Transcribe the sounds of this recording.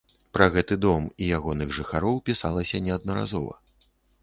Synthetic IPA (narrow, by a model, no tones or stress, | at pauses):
pɾaɣɛt̪ɨd̪ɔmijaɣɔnɨɣʐɨxaɾɔwpʲisalˠɐsʲɐnʲɛɐd̪̚nɐɾa̰zɔvɐ̰